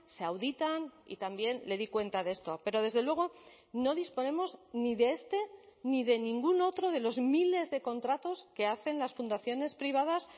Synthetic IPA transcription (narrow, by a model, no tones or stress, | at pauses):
seawðit̪anḭt̪ambje̞nle̞ðikwe̞nt̪aðe̞st̪ope̞ɾo̞ðe̞zðe̞lweɣ̞o̞ | no̞ðispo̞ne̞mo̞zniðe̞est̪e̞niðe̞nĩŋɡuno̞t̪ɾoðe̞lo̞zmile̞zðe̞ko̞nt̪ɾat̪o̞ske̞aθe̞nlasfund̪aθjone̞spɾiβ̞aðas